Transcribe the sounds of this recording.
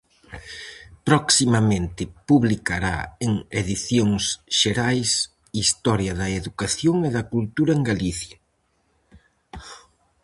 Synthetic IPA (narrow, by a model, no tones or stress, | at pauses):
pɾɔksimɐmẽnt̪ɪpuβlikaɾa̰eŋeðiθjoŋsʃeɾajs | ist̪ɔɾjɐðɐeðukaθjoŋeðɐkult̪uɾɐeŋɡaliθjɐ